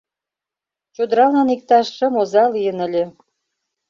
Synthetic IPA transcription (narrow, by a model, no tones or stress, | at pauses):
t͡ɕod̪əɾɑlɑnik̚t̪ɑʃːə̆mozɑlijənə̆lʲe